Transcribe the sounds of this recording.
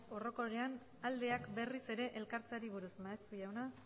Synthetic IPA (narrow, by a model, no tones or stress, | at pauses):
o̞ro̞ko̞ɾean | ald̪e̞akbe̞rise̞ɾe̞ʔelkaɾt͡saɾiβ̞uɾusmaest̪uʝawna